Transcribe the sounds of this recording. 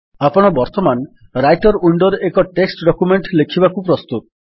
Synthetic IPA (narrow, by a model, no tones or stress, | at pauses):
apɔɽ̃ɔbɔɾt̪ɔman | ɾajʈɔɾuɳɖɔɾekɔʈeksʈɖɔkumeɳʈlekʰibakupɾɔst̪ut̪̚